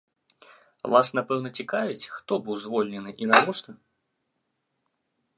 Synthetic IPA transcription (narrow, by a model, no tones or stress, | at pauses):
vasnapɛwnɐt͡sʲikavʲit͡sʲxt̪ɔbɨwzvɔlʲnʲɛnɨʔinavɔʂt̪ɐ